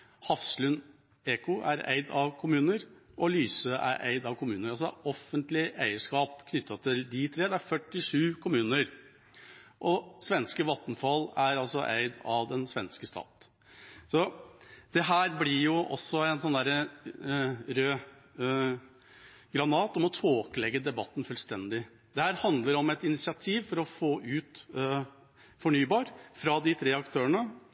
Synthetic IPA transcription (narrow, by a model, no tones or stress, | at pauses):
hɑfslʉn | eːkʊʔæɾæ̰ɪd̪ɑʋkʰʊmʉːnəɾʔɔlyːsəʔæ̰ɾʔæ̰ɪd̪ɑʋkʰʊmʉːnəɾɑlsɔʔɔfənt̪lɪʔæɪəʂkɑːpkʰnʏt̪ʰːɑt̪ʰɪld̪ɪt̪ʰɾeːd̪ɛæɾfœʈːɪʂʉːkʰʊmʉːnəɾ | ʔɔsʋɛnskəʋɑt̪nfɑlːæɾɑlsɔʔæ̰ɪd̪ɑʋd̪ɛnsʋɛnskəst̪ɑ̰ːt̪ | sɔd̪̥ɛɦæːɾblɪjʊʔɔ̰sːɔæɪnsɔnd̪æːɾə | ɾøː | ɡɾɑnɑːt̪ɔmɔt̪ʰoːkəlɛɡːəd̪ɛbɑt̪ːn̩fʉlst̪ɛnd̪ɪ | d̪ɛhæːɾhɑnd̪ləɾɔmɛt̪ɪnɪsɪɑt̪ʰiːʋfɔɾɔfoːʔʉːt̪ | fɔɳyːbɑːɾfɾɑd̪ɪt̪ʰɾeːɑkt̪ʰøːəɳə